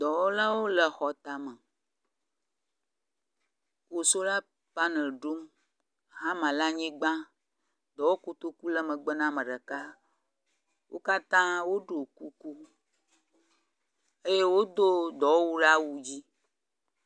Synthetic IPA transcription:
d̪ɔ˨wo˦la˦wo˦lə˨xɔ˨t̪a˨mə˨ | ko˨so˦la˦ | pa˦ne˨lɖo˦m | ɦã˦mã˨la˦ɲĩ˦ɡ͡bã˦ | d̪ɔ˨wo˦ko˦t̪o˦ku˦lə˦mə̃˨ɡ͡bə˦nã˦mə̃˨ɖə˨ka˦ | wʔo̰˦ka˦t̪ã˦wo˦ɖo˨ku˦ku˦ | e˦je˦wo˦d̪o˦d̪ɔ˨wo˦wu˦ɖa˦wu˦d͡ʑi˦

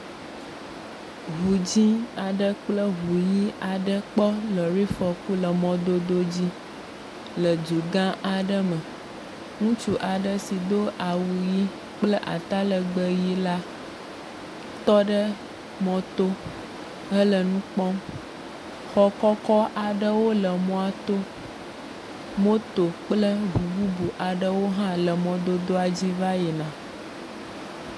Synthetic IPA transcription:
ɦu˨d͡ʑi˦a˨ɖə˦k͡plə˦ɦu˨ji˦a˨ɖə˦k͡pɔ˦lɔ˨ɾi˦fɔ˨ku˦lə˨mɔ̃˨d̪o˦d̪o˦d͡ʑi˦ | lə˨d͡ʒu˨ɡã˦ʔa˨ɖə˦mə˨ | ŋũ˦t͡ʃu˦ʔa˨ɖə˦si˨d̪o˦ʔa˨wu˨ji˦ | k͡plə˦ʔa̰˨t̪a˦lə˨ɡ͡bə˦ji˦la˦ | t̪ɔ˦ɖə˦ | mɔ̃˨t̪o˦ | ə˦lə˨nũ˦k͡pɔ˦m | xɔ˨kɔ˦kɔ˦ʔa˨ɖə˦wo˦lə˨mɔ̃˨˦a˨t̪o˦ | mõ˦t̪o˨k͡plə˦bu˨bu˦bu˨ʔa˨ɖə˦wo˦ɦã˦lə˨mɔ̃˨d̪o˦d̪o˦a˨d͡ʑi˦va˦jɛ˨nã˨

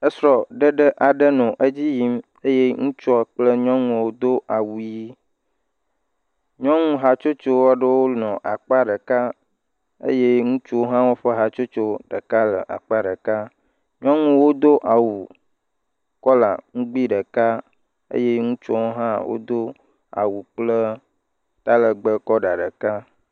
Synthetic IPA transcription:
ə˦sɾɔ˨ɖə˦ɖə˦ʔa˨ɖə˦nɔ̃˨ʔe˦d͡ʑi˦ji˦m | e˦je˦ŋũ˦t͡ʃɔ˦k͡plə˦ɲɔ̃˦ŋũ˨wo˦d̪o˦ʔa˨wu˨ji˦ | ɲɔ̃˦ŋũ˦ɦa˨t͡ʃo˦t͡ʃo˦a˦ɖə˦wo˦nɔ̃˨ʔa˨k͡pa˦ɖə˨ka˦ | ḛ˦je˦ŋũ˦t͡ʃu˦wo˦ɦã˦wo˦ɸə˦ɦa˨t͡ʃo˦t͡ʃo˦ɖə˨ka˦lə̰˨ʔa̰˨k͡pa˦ɖə˨ka˦ | ɲɔ̃˦ŋũ˨wo˦d̪o˦ʔa˨wu˨ | kɔ˦la̰˨ŋũ˦ɡ͡bi˦ɖə˨ka˦ | ḛ˦je˦ŋũ˦t͡ʃɔ˦wo˦ɦã˦wʔo̰˦d̪o˦ | a̰˨wu˨k͡plə˦ | t̪a˦lə˨ɡ͡bə˦kɔ˦ɖa˨ɖə˨ka˦

